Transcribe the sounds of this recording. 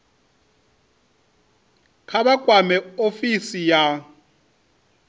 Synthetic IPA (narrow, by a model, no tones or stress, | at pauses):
kʰaβakʼwamɛofisija